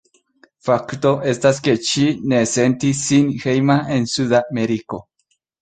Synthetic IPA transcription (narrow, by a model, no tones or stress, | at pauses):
fakt̪oʔest̪asket͡ʃinesent̪isinxejmaensuðameɾiko